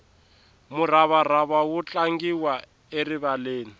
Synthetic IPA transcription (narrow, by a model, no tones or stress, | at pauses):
muraβaraβawut͡ɬʼaŋɡiwa | eriβaleːni